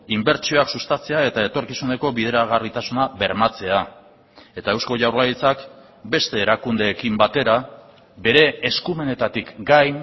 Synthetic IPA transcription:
imbe̞ɾt͡ʃio̞aksust̪at͡se̞ae̞t̪ae̞t̪o̞ɾkisune̞ko̞βiðeɾaɣarit̪asunaβe̞ɾmat͡se̞a | e̞t̪ae̞wsko̞ʝawɾlajit͡sak | be̞st̪e̞ːɾakund̪e̞ːkimbat̪e̞ɾa | be̞ɾe̞ːskume̞ne̞t̪at̪ikɡaj

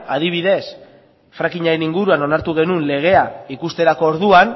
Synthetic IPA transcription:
að̞iβ̞iðe̞s | fɾakiɲaɾe̞niŋɡuɾuano̞naɾt̪uɣ̞e̞nunle̞ɣ̞e̞aikust̪e̞ɾako̞ːɾðuan

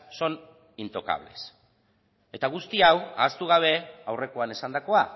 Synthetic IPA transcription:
so̞n | int̪o̞ka̰β̞le̞̰s | e̞t̪aɣ̞ust̪iawa̰ːst̪uɣ̞aβ̞e̞awre̞ko̞ane̞sand̪ako̞a

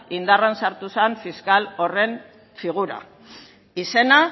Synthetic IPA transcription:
ind̪aransaɾt̪usaɱfiskalo̞re̞n | fiɣ̞uɾa̰ | ise̞na

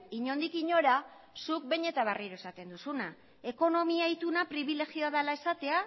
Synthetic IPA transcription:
iɲo̞nd̪ikiɲo̞ɾa | suk̚be̞ɲe̞t̪aβ̞ariɾoe̞sat̪e̞nd̪usuna | e̞ko̞no̞miait̪unapɾiβ̞ile̞ɣio̞aðalae̞sat̪e̞a

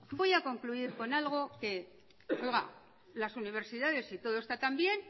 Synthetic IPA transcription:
bo̞jako̞ŋkluiɾko̞nalɣ̞o̞ke̞ | o̞jɣa̰ | lasuniβ̞e̞ɾsiðaðe̞sit̪o̞ð̞oest̪at̪ambje̞n

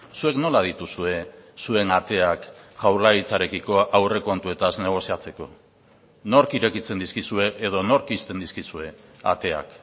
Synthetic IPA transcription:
sue̞kno̞lað̞it̪usue̞sue̞nat̪e̞akʝawlaɣit͡saɾe̞kiko̞ʔawre̞ko̞nt̪ue̞t̪azne̞ɣ̞o̞siat͡se̞ko̞ | no̞ɾkiɾe̞kit͡se̞nd̪iskisue̞ʔːð̞o̞no̞ɾkist̪e̞nd̪iskisue̞a̰t̪e̞a̰k

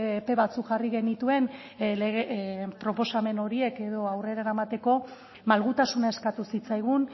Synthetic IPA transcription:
pe̞βat͡sukʝariɣe̞nit̪ue̞n | leɣepɾo̞po̞same̞no̞ɾie̞ke̞ðo̞awre̞ɾaɾamat̪e̞ko̞ | malɣut̪asunae̞skat̪usit͡sajɣ̞un

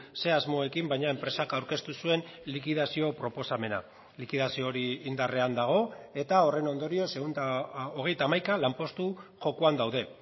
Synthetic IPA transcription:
se̞azmo̞e̞kimbajɲae̞mpɾe̞sakawɾke̞st̪usue̞nlikiðasio̞pɾo̞po̞same̞na̰ | likiðasio̞ɾiːnd̪are̞and̪aɣ̞o̞e̞t̪ao̞re̞no̞nd̪o̞ɾio̞seɣunoɣ̞e̞jt̪aːmajkalampo̞st̪uʝo̞kuand̪awð̞e̞

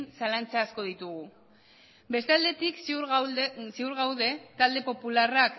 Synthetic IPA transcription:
nsalant͡saːsko̞ð̞it̪uɣu | be̞st̪eald̪e̞t̪iksusiuɾɣawðe̞t̪ald̪e̞po̞pularak

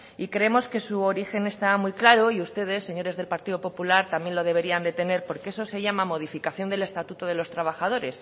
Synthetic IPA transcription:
ikɾeemo̞ske̞suo̞ɾixe̞ne̞st̪amujklaɾo̞iust̪e̞ð̞e̞sːe̞ɲo̞ɾe̞zðe̞lpaɾt̪iðopo̞pulaɾt̪amje̞nlo̞ð̞e̞βe̞ɾiand̪e̞t̪e̞ne̞ɾpo̞ɾkeeso̞se̞ʝamamo̞ð̞ifikaθjo̞nd̪ele̞st̪at̪ut̪oðe̞lo̞st̪ɾaβ̞axað̞o̞ɾe̞s

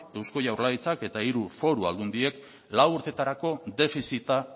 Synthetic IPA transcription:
e̞wsko̞ʝawɾlait͡sake̞t̪aiɾufo̞ɾua̰ld̪und̪ie̞k | lawuɾt̪e̞t̪aɾako̞d̪e̞fisit̪a

